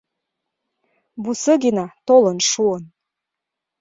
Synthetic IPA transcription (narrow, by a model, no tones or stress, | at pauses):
busəɡinɑt̪olənʃuən